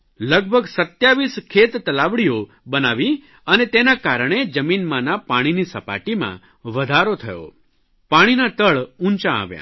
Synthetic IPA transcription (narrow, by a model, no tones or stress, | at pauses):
ləɡ̚bʱəɡsət̪jaʋiskʰet̪t̪ːəlaʋɽijo | bənaʋi | ənet̪enakaɾɳ̃ed͡ʒəminmanapaɽ̃inisəpa̰ʈimã̰ | ʋəd̪ʱaɾot̪ʰəjo̰ | paɽ̃inat̪əɭũnt͡ʃãa̰ʋjã̰